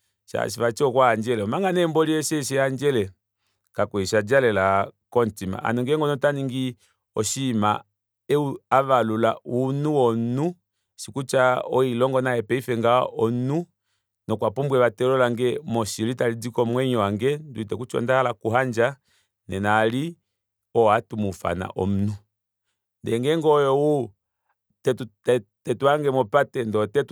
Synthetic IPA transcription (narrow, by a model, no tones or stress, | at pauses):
ʃa̰ʃ̬ifat͡ʃɔkwaːnd͡ʒɛlɛɔmaŋɡanɛmbɔliɛʃɛʃɛand͡ʒɛlɛ | kakwɛʃad͡ʒalɛlakɔntima̰ʔa̰nɔŋɡɛɛŋɡɔnɔtaniŋɡi | ɔʃima | ɛuaʋalula̰ʔunuwɔnu | sikut͡ʃaɔilɔŋɡɔnaɛpɛifɛŋɡaɔnu | nɔkwapumbwɛβatɛlɔlaŋɡɛmɔʃilitalid͡zikɔmwɛɲɔwaŋɡɛnduitɛkut͡ʃɔ̰ndahalakuɦand͡ʒa | nɛnali | ɔatumufa̰na̰ʔɔ̰m̩nu | ndɛŋɡɛŋɡɔjɔwu | tɛtutɛtɛtuaŋɡɛmɔpatɛndɔtɛt